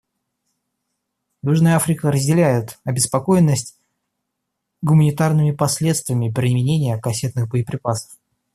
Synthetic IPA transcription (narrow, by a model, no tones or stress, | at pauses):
juʐnəjəafɾʲɪkəɾəzʲdʲɪlʲæjʊt̪ɐbʲɪspɐko̞jɪnːəsʲtʲ | ɡʊmənʲɪt̪arnɨmʲɪpɐsʲlʲe̞t̪st̪vɪəmʲɪpɾʲɪmʲɪnʲenʲɪjəkɐsʲe̞t̪nɨxbəjɪpɾʲɪpasə̥f